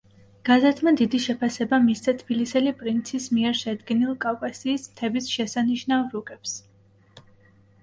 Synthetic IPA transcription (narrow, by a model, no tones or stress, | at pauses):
ɡ̥azɛt̪ʰmad̪id̪iʃɛpʰasɛbamisd̪at̪ʰb̥ilisɛlipʼɾint̪sʰismiɛɾʃɛd̪ɡɛnilˠkʼavkʼasiːsmt̪ʰɛbisʃɛsaniʃnavɾukʼɛps